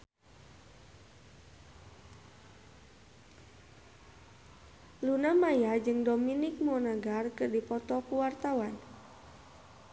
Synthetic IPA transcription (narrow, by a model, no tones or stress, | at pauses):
lunamajad͡ʒɨŋdɔminik̚mɔnaɡarkɨrdipɔt̪ɔkuwart̪awan